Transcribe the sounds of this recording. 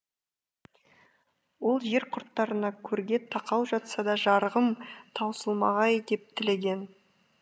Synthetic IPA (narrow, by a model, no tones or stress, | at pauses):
wo̞lˠʒe̞ɾqʰʊɾt̪ːɑɾənɑkʲʰɵɾɡʲe̞t̪ʰɑqɑwˠʒɑt̪sɑd̪ɑʒɑɾʁəmt̪ʰɑwsəlˠmɑ̰ʁɑjd̪e̞p̚t̪ʰɪle̞ɡʲe̞n